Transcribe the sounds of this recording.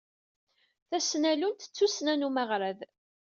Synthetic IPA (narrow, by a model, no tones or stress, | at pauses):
θæsnælunt̪ə̥t͡sːusnænuməʁɾað